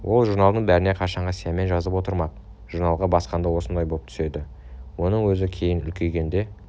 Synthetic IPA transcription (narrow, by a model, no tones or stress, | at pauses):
wʔo̞lˠʒuɾnɑlˠd̪əɴbæɾɪne̞qʰɑʃɑɴʁɑsijeme̞nʒɑzəpwo̞t̪əɾmɑq | ʒ̥uɾnɑlˠʁɑbɑsqɑnd̪ɑwo̞sənd̪ɑjbo̞lˠəp̚t̪ʰʏ̥se̞d̪ɪ | wo̞nəɴwɵzɪkʲʰe̞jɪnʏ̰lkʲʰe̞jɡʲe̞nd̪e̞